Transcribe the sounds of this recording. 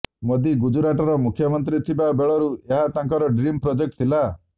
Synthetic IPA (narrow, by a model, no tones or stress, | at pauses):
mɔd̪iɡud͡ʒuɾaʈɔɾɔmukʰjɔmɔnt̪̬ɾit̪ʰibabeɭɔɾueɦat̪ãŋkɔɾɔɖɾimpɾɔd͡ʒek̚ʈt̪ʰila